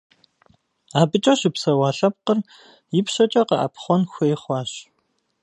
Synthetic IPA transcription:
aːbɨt͡ʃʼɐʃɪpsɐwɑːɬɐp̚qər | jɪpʃɐt͡ʃʼɐqɐʔa̰pχʷɔnxʷɔjχʷɑːɕ

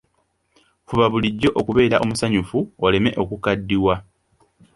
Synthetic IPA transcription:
fuβaβuliɟːo̞ʔokuβe̞ːɾaʔo̞musaɲufuole̞me̞ʔo̞kukadːiwa

